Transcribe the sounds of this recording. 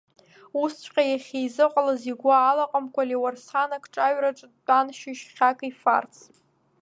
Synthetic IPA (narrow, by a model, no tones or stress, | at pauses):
ust͡ʃʰʷqʲʼajaχʲejzɨqʷʼalaziɡʷaːlaqʼamkʷʰʼaliwarsanakʰʼʈ͡ʂʼaɥraʈ͡ʂʼanʃiʃχʲakʼifa̰rt͡sʰ